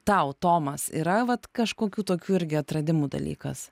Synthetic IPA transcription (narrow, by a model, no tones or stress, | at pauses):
t̪ɐʊt̪oːmɐsḭːɾɐʋɐt̪kɐʃkoːkʲuːt̪oːkʲuːɪɾʲɡʲɪɐt̪ɾɐd̪ʲɪmuːd̪ɐ̰lʲḭːkɐs